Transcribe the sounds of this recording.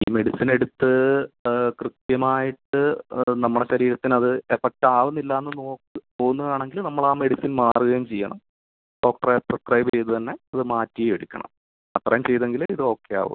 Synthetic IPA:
ḭːme̞ɽisine̞ɽut̪ːɨ | krit̪jɐmaːjiʈːɨnɐmːuɽeɕɐɾiːɾɐt̪ːinɐðɨefek̚ʈaːʋunːilːaːenːɨnoːkːɨpoːɣunːɐðaːɳe̞ŋɡilnɐmːɐɭaːme̞ɽisinmaːruɣɐjmt͡ɕejːɐ̰ɳɐ̰m | ɖo̞ːk̚ʈɐrɐprɐskrɐjbejt̪ːɨt̪ɐnːe̞ɐðɨmaːtːijjeɽikʲːɐ̰ɳɐ̰m | ɐt̪rɐjɐmt͡ɕe̞jt̪eŋɡiliðɨo̞ːkːeja̰ːʋṵ

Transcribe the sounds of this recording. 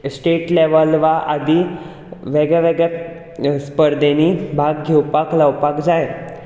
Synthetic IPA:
sʈeʈleʋəlʋaʔad̪i | ʋeɡɭɛʋeɡɭɛ | spəɾd̪enibʱaɡɡʱewpaklawpakd͡zae

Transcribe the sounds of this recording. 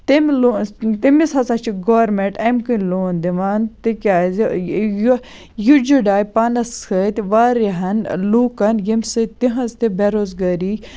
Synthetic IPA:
t̪imlot̪imisɐsɐt͡ʃʰiɡoːɾmeɳʈɐmkɨnloːnd̪iʋaːnt̪ikʲaːzj | jud͡ʒuɖaːjpanɐskɐt̪ʋaːɾiɦɐnluːkɐnjɐmʲsɨtt̪iɦɐzt̪ebeɾoːzɡaːɾi

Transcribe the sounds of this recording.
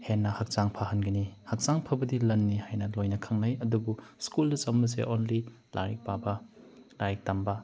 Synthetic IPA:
henːɐhɐk̚t͡ʃaŋpʰaɦɐnɡɐnihɐk̚saŋpʰɐbɐdilɐnːihajnɐlojnɐkʰaŋnɐjɐdubuskuldɐt͡ʃɐmːɐsḛʔonli | la̰ɾik̚pabɐlaɾik̚tambɐ

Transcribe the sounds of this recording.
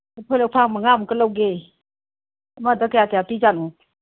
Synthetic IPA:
pʰɔjlɔk̚pʰaŋmaŋamkəlawɡe | madakajakejapizanu

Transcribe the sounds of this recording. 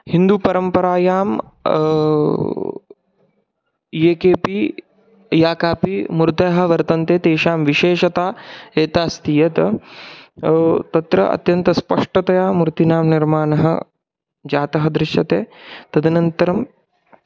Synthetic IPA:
hind̪uːpɐɾɐmpɐɾaːjaːm | jeːkeːpi | jaːkaːpimuɾt̪ɐːɦɐ̆ʋɐɾt̪ɐnt̪eːt̪eːʃaːmʋiʃeːʃɐt̪aːeːt̪aːst̪ijɐt̪ɐ | t̪ɐt̪ɾɐ̰ʔɐ̰t̪jɐnt̪ɐspɐʂʈɐt̪ɐjaːmuɾt̪inaːmniɾmaːnɐɦɐ̰ | d͡ʒaːt̪ɐɦɐd̪ɾɪʃɐt̪eːt̪ɐd̪inɐnt̪ɐɾɐm

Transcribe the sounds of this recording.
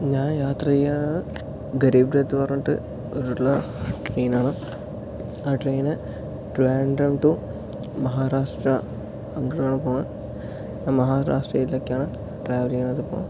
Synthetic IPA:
ɲaːnjaːt̪rɐjeaːɳɨ | ɡɐɾiːbɾet̪ːɨpɐrɐɲːuʈːɨ̰ | oɾuɭlːɐ | ʈreːnaːɳɨ | aːʈrejnɨ | ʈueːɳɖɐmʈu | mɐɦaːɾaːʂʈrɐː | ŋɡɐɽaːɳɨpoːɳɐ | ɲaːnmɐɦaːɾa̰ːʂʈrɐjiloːkːjaːɳɨ | ʈraːʋɐliŋaːɳɐðɨpo̰ːɳ

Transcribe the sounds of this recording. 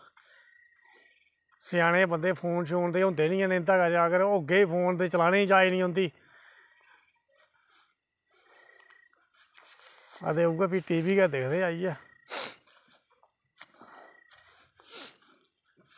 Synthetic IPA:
sɪjaːɽ̃ẽːbənd̪eːpʰoːnʃoːnd̪eːɦʊ̃nd̪eːnĩːɛ̃ːneɪnd̪aːkəd͡ʒaːɡəɾoːɡeːiːpʰoːnt̪eːt͡ʃəlaːneːit͡ʃaːiːnĩːɦõnd̪iː | a̰d̪eːuːɡaːpiːʈiːbiːkɛːd̪eːkʰd̪eːaːiːɛː

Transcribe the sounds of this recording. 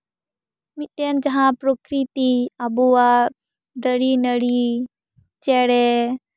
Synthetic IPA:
mit̪ɛnd͡ʒɐɦãpɾokɾit̪iabua | d̪əɽinəɽi | t͡ʃɛɽɛ

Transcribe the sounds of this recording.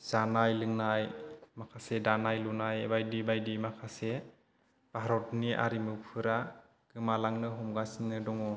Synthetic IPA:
z̥anajlɯŋnajmakʰasedanajlunajebajdibajdimakʰase | b̥aɦɾɔtniʔa̰ɾimɯpʰɯɾa | ɡ̥ɯmalaŋnɯɦɔmɡasinːɯdɔŋɔ

